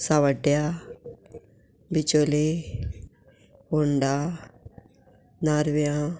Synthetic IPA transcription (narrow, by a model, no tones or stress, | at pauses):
saʋəɖja | bɪt͡ʃole | ʊɳɖa | naɾʋjã